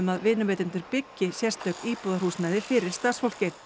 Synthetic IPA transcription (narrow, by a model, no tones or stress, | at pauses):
ʏmaðvɪːnʏvɛːt̪ɪnt̪ʏɾpɪcːɪsjɛrst̪œkiːpɔðaɾr̥huːsnajðɪfɪːɾɪɾ̥st̪asfol̥cɪɾ